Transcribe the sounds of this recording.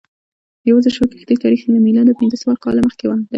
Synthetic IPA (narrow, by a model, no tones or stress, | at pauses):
jawazəɾʃəke̥xd̪ət̪ɑɾiximamilad̪əpinzəsawɑɾkɑlaməxkewad̪a